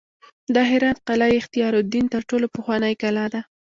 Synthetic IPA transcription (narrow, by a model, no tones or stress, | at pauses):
d̪ɑɦɪɾɑt̪qalɑjɪxt̪ijɑɾʊd̪int̪əɾʈolopəxwɑnəjkalɑd̪a